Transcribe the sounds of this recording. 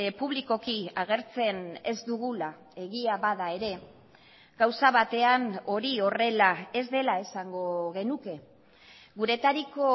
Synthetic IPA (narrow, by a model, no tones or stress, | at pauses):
puβliko̞kiaɣ̞e̞ɾt͡se̞ne̞zd̪uɣula | e̞ɣiaβaðae̞ɾe̞ | ɡ̥awsaβat̪e̞ano̞ɾio̞re̞lae̞zd̪e̞lae̞saŋɡo̞ɣe̞nuke̞ | ɣuɾe̞t̪aɾiko̞